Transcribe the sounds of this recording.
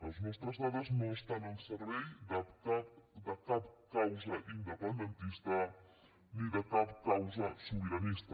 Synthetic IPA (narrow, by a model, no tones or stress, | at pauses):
əlˠznɔst̪ɾəzðaðəznoəst̪anəlˠsəɾβɛjd̪əapd̪əkap̚kawzəʔind̪əpənd̪ənt̪ist̪ə | niðəkapkawzəsuβiɾənist̪ə